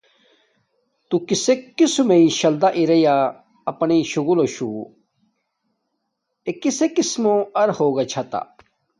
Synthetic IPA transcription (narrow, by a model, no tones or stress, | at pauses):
t̪ukisekːisumeĩɕɐld̪aʔiɾɐja | ɐpniɕuɣuloɕu | ekisekismõɐɾhoːɡɐt͡ɕʰɐt̪a̰